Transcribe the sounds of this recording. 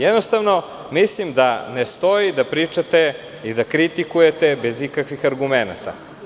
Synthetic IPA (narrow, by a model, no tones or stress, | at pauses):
jɛd̪nost̪avno | mislimd̪anest̪oid̪apɾit͡ʂat̪e | id̪akɾit̪ikujet̪ebezikakʋixaɾɡumena̰t̪a̰